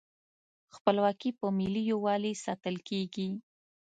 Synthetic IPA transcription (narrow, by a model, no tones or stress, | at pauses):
xpəlwɑkipəmɪlijowɑlisɑt̪əlkeɡi